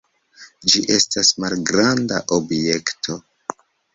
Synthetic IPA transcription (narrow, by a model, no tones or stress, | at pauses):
d͡ʒiʔe̞stasmalɡɾandaʔo̞bje̞ktʰo̞